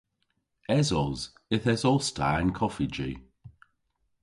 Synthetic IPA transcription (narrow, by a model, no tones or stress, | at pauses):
ɛzɔz | ɪθɛzɔstʰa̰ɪnkʰɔfid͡ʒḭ